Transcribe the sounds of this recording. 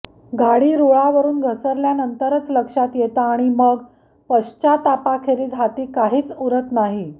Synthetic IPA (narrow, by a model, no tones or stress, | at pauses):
ɡʱaɽiːɾuɭaʋəɾuːnɡʱəsəɾljanənt̪əɾət͡sləkʂat̪jet̪aːɽ̃iməɡ | pəɕt͡ɕat̪apakʰeɾiːd͡zʱat̪iːkaɦiːt͡suɾət̪naɦi